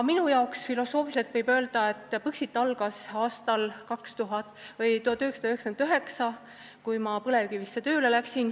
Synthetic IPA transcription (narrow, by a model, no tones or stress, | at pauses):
minujɑoksfilo̞so̞ːfise̞lt̪vɤjbø̞ːld̪̥ɑe̞t̪ːˑpɯksit̪ːˑɑlɡ̥ɑsɑːst̪ɑlkɑkst̪uɦɑt̪ːˑvɤjt̪uhɑt̪ːyheksɑ̥d̪ɑyhekskenyɦe̞ksɑ | kujmɑpɤle̞vɡ̥ivisːet̪ø̞ːle̞læksin